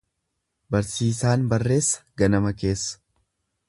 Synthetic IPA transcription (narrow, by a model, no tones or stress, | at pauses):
bɐɾsiːsaːnbɐrːe̞ːsːɐ̥ɡɐnɐmɐke̞ːsːɐ̥